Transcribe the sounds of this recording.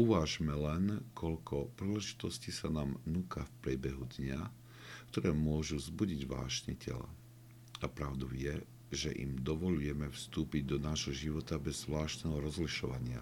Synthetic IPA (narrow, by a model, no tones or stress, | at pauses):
uʋaːʒmɛlɛnkʰɔʎkʰɔpɾiːlɛʒi̥t̪ɔsciːsanaːmnukafpɾɪɛbɛɦud̪ɲa | kt̪ɔɾɛːmʊɔʒuzbuɟiɟʋa̰ːʃɲɛcʰɛ̰la̰ | apɾaʊd̪ɔʊjɛ | ʒɛʔḭmd̪ɔʋɔʎujɛmɛfst̪uːpiɟd̪ɔnaːʒɦɔʒiʋɔt̪abɛzːʋlaːʃt̪nɛːɦɔɾɔzliʃɔʋaɲɪa̰